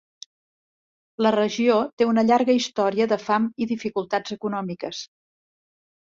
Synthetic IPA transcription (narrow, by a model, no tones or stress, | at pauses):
lərəʒiot̪eunəʎaɾɣəist̪ɔɾiəðəfamiðifikulˠt̪ad͡zəkunɔmikəs